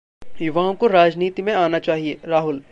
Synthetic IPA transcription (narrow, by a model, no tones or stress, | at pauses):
jʊʋaːõkoɾaːd͡ʒniːt̪imẽaːnat͡ʃaːɦieːɾaːɦʊl